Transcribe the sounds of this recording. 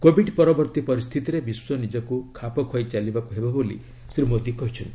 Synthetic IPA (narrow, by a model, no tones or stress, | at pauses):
kobʱiɖpɔɾɔbɔɾt̪ipɔɾist̪ʰit̪iɾebiswɔnid͡ʒɔkukʰapɔkʰɔjt͡ʃalibakuɦebɔbolḭ | sɾimod̪ikɔɦit͡ʃʰɔnt̪i̥